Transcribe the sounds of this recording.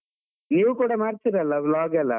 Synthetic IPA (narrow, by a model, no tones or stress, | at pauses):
niːʋukuːɽɐmaːɾt̪iɾɐlːɐʋlaːɡɐlːɐ̰